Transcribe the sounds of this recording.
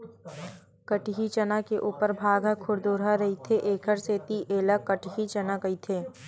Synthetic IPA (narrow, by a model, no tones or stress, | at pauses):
kəʈɦit͡ʃənakeʔuːpəɾbʱaːɡəkʰʊɽd̪oːɾɦaɾɐɦit̪ʰeʔeːkʰəɾseːt̪iʔeːlakːəʈɦit͡ʃɐnakɐit̪ʰeː